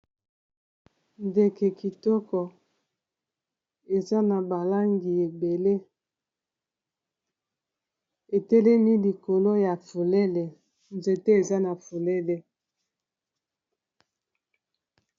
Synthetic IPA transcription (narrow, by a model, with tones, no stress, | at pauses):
nde˨ke˨ki˨tɔ˦kɔ˨ | e˨za˦na˨ba˨la˦ŋɡi˨e˨be˨le˦ | e˨tɛ˦lɛ˦mi˦li˨ko˨lo˦ja˨fo˨le˦le˨ | nze˨te˦e˨za˦na˨fu˨le˦le˨